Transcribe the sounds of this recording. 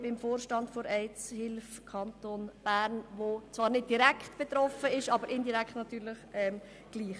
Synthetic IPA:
bɪmfoːɾʃtɑndfoɾɛɪt͡shɪlf | kʰɑntonb̥æːɾnʋot͡svɑːɾnɪd̚d̥iɾækχtb̥et̪ɾɔfəɪʃɑːbəɾʔɪndiɾɛkχtnɑtyːɾlɪχɛm | ɡ̥liːχ

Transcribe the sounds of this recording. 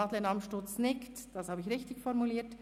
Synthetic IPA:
ɑːt̪lɪnɑmʃtʊt͡snɪktd̥ɑshɑːbəɪçʁɪçtɪçfɔɾmuliːt

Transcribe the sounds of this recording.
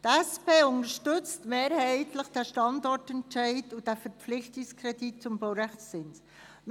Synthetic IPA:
tɛspeːʊnəɾʃtʏt͡stmeːɾhɛɪtləχd̥ɛʃtɑndɔɾtɛnt͡ʃɛɪdud̥ɛfəɾpflɪxtɪskʰɾɛdit̚t͡sʊmbowɾɛxt͡sɪns | m

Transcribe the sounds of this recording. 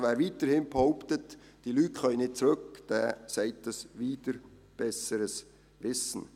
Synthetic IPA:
vɛːɾviːtəɾhɪnbehɔʊptətd̥iːlyːtχœʏnɪt̚t͡sɾʏkd̥ɛːsɛɪt̚d̥ɑsviːd̥əɾ | b̥ɛsəɾəs | vɪsn̩

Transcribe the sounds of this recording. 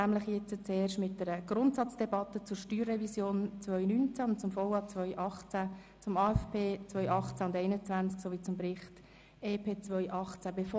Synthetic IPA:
næːmlɪχjɛt͡sət͡seːrʃtmɪt̚d̥ɛɾəɡ̥rʊntsɑt͡sd̥ɛbɑtət͡sʊɾʃtyːrːɛvisjoːnt͡svœʏnynt͡sæʊnt̚t͡sʊmfɔwɑt͡svœʏʔɑχt͡sæ | t͡sʊmɑːɛfpʰeːt͡svœʏʔɑχt͡sæʊndɛɪnət͡svænt͡sksoviːt͡sʊmbɾɪχt | eːpʰeːt͡svœʏʔɑχt͡sæb̥efo

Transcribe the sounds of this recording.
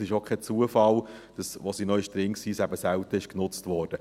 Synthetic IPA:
sɪʃokχɛt͡suəfɑld̥ɑsʋosinœʏʃtɾɪŋksiːsæbəsæltəɪʃknʊt͡stvɔːɾd̥ə

